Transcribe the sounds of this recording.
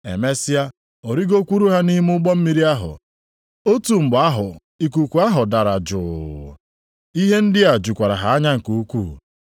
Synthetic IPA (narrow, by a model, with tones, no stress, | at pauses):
ḛ˨me˦sɪ˦a˦ | o˨ɾi˦ɡo˦kʷu˦ɾu˦ɦa˦ni˦m˦ʊ˦ɡ͡bɔ˦m̩˦mi˦ɾi˦a˦ɦʊ̰˨ | o˦tu˨m̩˨ba˦ɦʊ˨ | i˨k̬u˨kʷu˨a˦ɦʊ˨da˨ɾa˨d͡ʒʊ̰˨ | i˦ɦe˦n̩˦dɪ˦a˨d͡ʒu˨kʷa˨ɾa˨ɦa˨a˦ɲa˦ŋ̩˨ko˦kʷṵ˦˨